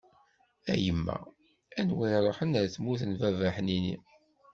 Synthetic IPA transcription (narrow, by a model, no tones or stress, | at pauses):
æ̰jəmːæ̰ | ænwiɾɾˤoħənæɾθmuθnvævæħninḭ